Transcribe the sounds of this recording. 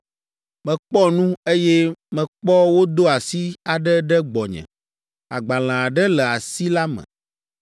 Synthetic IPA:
mɛ̃˨k͡pɔ˦nũ˦e˦jɛ˦mɛ̃˨k͡pɔ˦wo˦d̪o˦a˨si˦a˨ɖɛ˦ɖɛ˦ɡ͡bɔ˨ɲɛ̰̃˨ | a̰˨ɡ͡ba˨l̃ã˨a˨ɖɛ˦lɛ˨a˨si˦la˦mɛ̰̃˨

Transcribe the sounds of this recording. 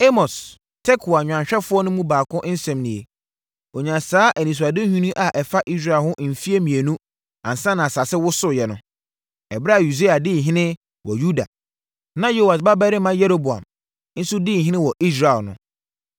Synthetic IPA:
e˦mɔ˨s | tʰɛ˦kʰu˨a˨ɲᶣ˨ã˨ɲ˨ɕᶣɛ˦fʊ˦ɔ˦nʊ̃˦mũ˦baː˨kʰʊ̃˦ʔn̩˦sɛ̃˨mnĩ˨e˨ | o˨ɲã˨saː˦ʔæ˨nĩ˨s̬a˨dɪ̃˦hũ˦nĩ˦ʔa˨ʔɛ˨fa˦ʔi˦s̬ɾa˨hʊ̃˦ʔm̩˨fi˦e˦mĩ˨e˨nũ˦ | ã̰˨n˨sã˦nã˨sa˨sɪ˦wʊ˦sʊ˦jɛ˨nʊ̃˦ | ɛ˨ba˦˨ju˨de˦a˨dɪ˦˨ɦɪ̃˦nɪ̃˦ | wʔɔ˨ju˦da̰˨ | nã˦jo˦˨wa˨sba˦bɛ˦ɾɪ˦mã˦jɛ˦ɾo˦bu˨a̰˨m | n̩˦sʊ˦dɪ˦˨ɦɪ̃˦nɪ̃˦wɔ˨ʔi˦s̬ɾa˨lnʊ̰̃˦

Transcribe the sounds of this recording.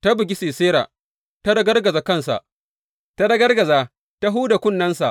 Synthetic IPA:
ta˦bʊ˨ɡʲi˦siː˨seː˦ɾa̰ː˨ | ta˦dɐ˦ɡɐ˦rɡɐ˨za˨kɐ˦˨nsa̰˨ʔ | ta˦dɐ˦ɡɐ˦rɡɐ˨zaː˨ | ta˦ɦuː˦da˨kʷʊ˦nːɐ˦nsa˨ʔ

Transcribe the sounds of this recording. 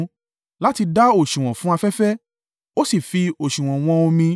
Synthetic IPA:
la˦ti˧da˦o˦˨ʃũ˨w̃ɔ̃˨fũ˨˦a˧fɛ˦fɛ˦ | o˦si˦˨fi˧o˨ʃũ˨w̃ɔ̃˨w̃ɔ̃˧o˧mĩ˧

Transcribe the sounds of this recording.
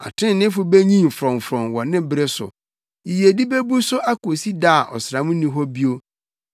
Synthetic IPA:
a̰˨tʰɪ̃˦n˨nɪ̃˦fʊ˦be˦ɲĩ˦m˨fɾɔ̃˨m˨fɾɔ̃˨nwɔ˨nɪ̃˦bɪ˦ɾe˦sʊ̰˨ | i˨je˨di˦be˦bu˦sʊ˦ʔa˦ko˨si˦da˦a˨ʔɔ̰˨sɾã˨˦mũ˦nĩ˦ɦɔ˦bi˦o˦

